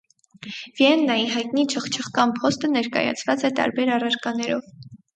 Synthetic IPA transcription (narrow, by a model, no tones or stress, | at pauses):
vjɛnːɑjiɦɑjt̪̚nit͡ʃʰəχt͡ʃʰəχkɑnpʰɔst̪ənɛɾkɑ̰jɑ̰t͡sʰvɑt͡sɛt̪ɑ̰ɾbɛɾɑrɑɾkɑnɛɾɔv